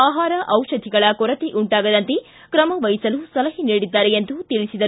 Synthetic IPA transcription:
aːɦaːɾɐʔɐwʃɐd̪ʱiɡɐɭɐkɔɾɐt̪iʔuɳʈaːɡɐd̪ɐnt̪e | kɾɐmɐʋɐjsɐlusɐlɐɦiniːɽid̪ːaːɾeend̪ut̪iɭisid̪ɐ

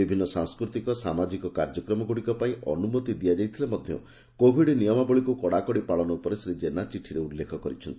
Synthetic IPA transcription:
ibʱinːɔsãŋskɾut̪ikɔsamad͡ʒikɔkaɾd͡ʒɔkɾɔmɔɡuɽikɔpaĩʔɔ̰numot̪id̪ijad͡ʒajt̪ʰilemɔd̪ʱjɔ̰ | kobʱiɽnijɔmabɔɭikukɔɽakɔɽipaɭɔnɔupɔɾesɾed͡ʒenat͡ʃiʈʰiɾeulːekʰɔkɔɾit͡ʃʰɔnt̪i̥

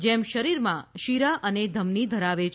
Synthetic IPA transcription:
d͡ʒɛmʃəɾiɾmãʃiɾaʔəned̪ʱəmnid̪ʱəɾaʋet͡ʃʰ

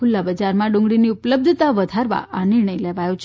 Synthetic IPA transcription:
kʰʊlːabəd͡ʒaɾmãɖũŋɡɽiniʊpləb̚d̪ʱət̪aʋəd̪ʱaɾʋa̰ʔanɪɾɳəjleʋajot͡ʃʰ

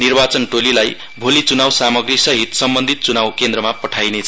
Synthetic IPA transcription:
nirbat͡sʌnʈolilaj | bʱolit͡sunawsamʌɡrisʌɦit̪sʌmbʌnd̪ʱit̪̚t͡sunawkend̪ɾʌmapʌʈʰajnet͡sʰ

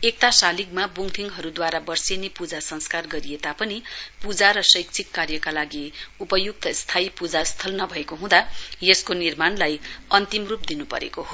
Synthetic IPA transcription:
ek̚t̪asalikmabuŋt̪ʰiŋɦʌɾud̪waɾabʌrsenepud͡zasʌŋskarɡʌɾijet̪apʌnipud͡zaɾʌsʌjk̚t͡sʰikːarjʌkalaɡiupʌjuk̚t̪ʌst̪ʰaipud͡zast̪ʰʌlnʌbʱʌekoɦũd̪ajeskonirmanlajʌnt̪imrup̚d̪inupʌ̰ɾḛkoɦo

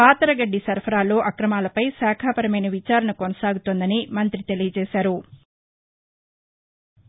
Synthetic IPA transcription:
paːt̪ɐɾɐɡɐɖːisɐɾpʰɐɾaːlo̞ːʔɐkɾɐmaːlɐpɐjsɛːkʰaːpɐɾɐmɐjnɐʋit͡ʃaːɾɐɳɐkonɐsaːɡut̪ond̪ɐnimɐnt̪ɾit̪e̞lijɐt͡ʃɛːsaːɾu

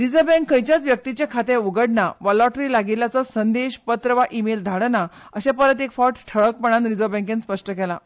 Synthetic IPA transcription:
ɾid͡zəbɛ̃ŋkːəjt͡ɕjat͡sʋjək̚t̪it͡ɕjakʰat̪ẽuɡəɽɳaʋɔlɔʈɾilaɡilːat͡sɔsənd̪eɕpət̪ɾəʋaʔimeld̪ʱaɽna | əɕɛ̃pəɾət̪ekfɔʈʈʰəɭək̚pəɽ̃anɾid͡zəbɛ̃ŋkẽnspəʂʈəkɛla

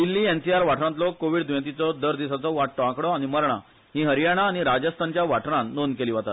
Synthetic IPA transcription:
d̪ilːiːɛnsiaɾʋaʈʰɾãt̪̬lɔkoʋiɽd̪ʋjt̪̬it͡sɔd̪əɾd̪isat͡sɔʋaʈːɔãkɽɔaɽ̃iməɾɳ̃a̰ | ɦĩɦəɾijaɽ̃aːɽ̃iɾad͡ʑəst̪ʰant͡ɕjaʋaʈɾãnːonkeliːʋ̤at̪a̰t̪

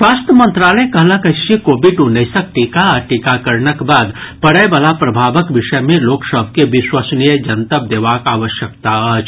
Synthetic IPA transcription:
sʋaːst̪əmə̃nt̪ɾaləekəɦləkəʃikobiɖʊnːəsək̚ʈikaəɾʈikakəɾɳəkbaːd̪pəɽəebəlapɾəbʱaːʋəkʋɪʃəjmẽloːksəbʱkeʋiswəsnijəd͡ʒənt̪əp̚d̪eːʋakaːʋəʃjəkt̪aət͡ʃ

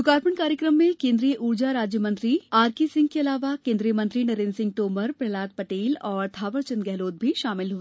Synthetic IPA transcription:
ʊkaːɾpəɳkaːɾjəkɾəmːẽkẽːnd̪ɾijəʔuːɾd͡ʒaɾaːd͡ʒjəmɐ̃nt̪ɾiaːɾkisɪ̃ŋɡkeɐlaːʋakẽːnd̪ɾijəmɐ̃nt̪ɾinɐɾeːnsɪ̃ŋɡ̚ʈoːməɾpɾɐlaːt̪̚pɐʈeːlɔːɾt̪ʰaːʋəɾt͡ʃənɡɛɦloːt̪̚bʱiʃaːmɪlɦʊɛ

